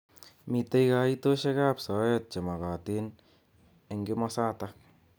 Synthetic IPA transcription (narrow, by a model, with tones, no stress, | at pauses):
mi˨te˦jka˨ito˦ʃe˦ka˦psɔ˨˦jɔt̚t͡ʃa˨ma˨ka˨tɪ˦n | e˨ŋɡɪ˦mɔ˦saː˦ta